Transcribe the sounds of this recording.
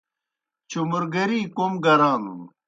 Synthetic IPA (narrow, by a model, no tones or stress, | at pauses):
t͡ɕumuɾɡɐɾiːkomɡɐɾaːnṵn